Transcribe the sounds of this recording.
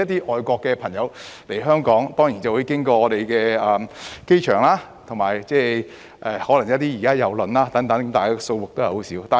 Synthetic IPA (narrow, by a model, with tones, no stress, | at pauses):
ɐ˥t̚t̪iː˥ʔɔː˨jkʷɔː˧kːɛː˧pʰɐ˨˩ŋjɐ˨˧wle˨˩jɦœː˥ŋkɔː˨˥ŋt̪ɔː˥ŋjiː˨˩nt͡sɐ˨wu˨˧˥jkɪ˥ŋkɔː˧ɔː˨˧t̪e˨jkɛː˧ɐː˨mke˥jt͡ʃʰœː˨˩ŋlaː˥ | t̪ʰʊ˨˩ŋmaː˨˩jt͡sɛː˥˧ | ʔɛː˨˩hɔː˨˥lɐ˨˩ŋjɐ˥t̚t̪iː˥jiː˨˩kaː˥jɐ˨˧wlnlaː˥t̪ɐ˨˥ŋt̪ɐ˨˥ŋt̪aː˨˩jkaː˧so˧wwʊ˨k̚t̪o˥whho˨˥siː˨˥wt̪aː˨˩